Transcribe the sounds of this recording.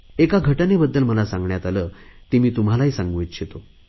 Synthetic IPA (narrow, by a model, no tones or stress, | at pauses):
ekaɡʱəʈanebəd̪ːəlməlasãŋɡɳjat̪aləːt̪imiːt̪um̤alaɦiːsãŋɡʋjt̪ɕʰet̪o